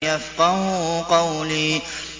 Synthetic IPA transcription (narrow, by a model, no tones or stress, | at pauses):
jafqɑhʊqɑwliː